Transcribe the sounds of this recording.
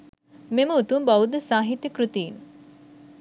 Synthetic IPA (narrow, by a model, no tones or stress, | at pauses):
meməut̪umbaʋud̪əsaːɦit̪jəkɾut̪iːn